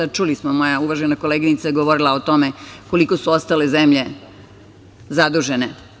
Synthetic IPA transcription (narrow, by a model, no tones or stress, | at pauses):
at͡ʃulismomo̞jauʋaʒenako̞leɡinit̪sajeɡoʋoɾilˠaot̪o̞me̞ko̞liko̞suost̪ale̞zemʎe̞ | zad̪uʒe̞ne